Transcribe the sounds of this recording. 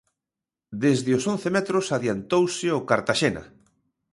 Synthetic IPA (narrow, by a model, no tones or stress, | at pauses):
d̪ezðɪʊson̟θemɛt̪ɾʊsaðjant̪owsɪokaɾt̪aʃenɐ̰